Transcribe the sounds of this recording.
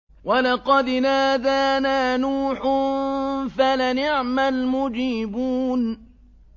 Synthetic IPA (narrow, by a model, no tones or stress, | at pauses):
walɑqɑd̪naːðaːnaːnuːħʊ | falanɪʕmalmʊd͡ʒiːbuːn